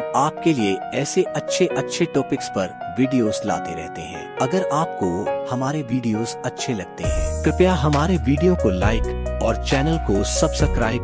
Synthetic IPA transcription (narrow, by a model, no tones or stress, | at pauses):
aːp̚kelieɛːseʔɐtːʃʰeʔɐtːʃʰeʈɔːpɪkspɐɾ | ʋiːɖijoːzla̰ːt̪eɾɛ̰ɦt̪eɦɛ̰̃ːɐɡəɾaːp̚kohɐmaːɾeʋiːɖijoːzɐtːʃʰelɐɡ̚t̪eɦɛ̰̃ːkɾɪpjaɦɐmaːɾeʋiːɖijokolaːɪkɔːɾt͡ʃɛːnəlkosɐbsɐkɾaːɪ